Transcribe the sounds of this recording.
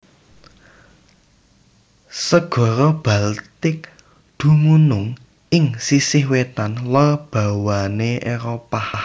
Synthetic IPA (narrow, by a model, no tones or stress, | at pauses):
səɡ̥ɔ̤ɾɔb̥alt̪ɪk | d̪̥ṳmunʊŋ | ʔɪŋsisɪhwet̪anlab̥ä̤waneʔeɾopa